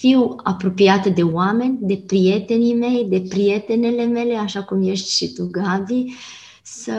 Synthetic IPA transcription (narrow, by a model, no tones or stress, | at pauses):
fiwa̰pɾopiat̪d̪ewamɛnd̪ɛpɾiɛt̪ɛnimɛjd̪ɛpɾiɛt̪ɛnɛlemelɛaʃakumjɛʃt̪ʃit̪uɡavi | sə